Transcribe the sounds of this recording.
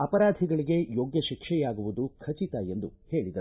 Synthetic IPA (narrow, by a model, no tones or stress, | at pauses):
ɐpɐɾaːd̪ʱiɡɐɭiɡe̞joːɡjɐʃikʂɛjaːɡuʋud̪ukʰɐt͡ʃit̪aːje̞nd̪ṵhe̞ːɭid̪ɐ